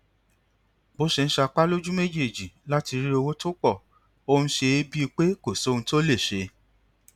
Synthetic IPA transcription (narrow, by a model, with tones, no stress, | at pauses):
bo˨˦ʃe˧ñ̩˦ʃa˧k͡pa˦lo˦d͡ʒũ˦me˦d͡ʒe˦˨d͡ʒi˨la˦ti˧ɾi˦o˧wo˦to˦k͡pɔ˦˨ | o˧hũ˧ʃe˧e˦bi˦˧k͡pe˦ko˨so˦˧nũ˧to˦le˦˨ʃe˧